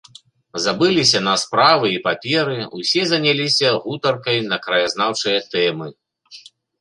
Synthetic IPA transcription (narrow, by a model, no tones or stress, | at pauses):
zabɨlʲisʲɐnɐspɾavɨipapʲɛɾɨusʲɛzɐnʲalʲisʲɐɣut̪ɐrkɐjn̪ɐkɾɐjaznawt͡ʂɨjɐt̪ɛmɨ